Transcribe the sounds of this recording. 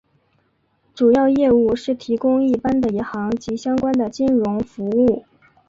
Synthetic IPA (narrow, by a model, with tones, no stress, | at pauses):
ʈ͡ʂu˨˩jɑ˥˧ʊjɛ˥˧u˥˩ʂɻ̩˥˩t̪ʰi˧˥kʊ˥ŋi˥˩pa˥nd̪ə˨i˧˥nxɑ˧˥ŋt͡ɕi˧˥ɕjɑ˥ŋkwa˥nd̪ə˨t͡ɕi˥nɻʊ˧˥ŋfu˧˥u˥˩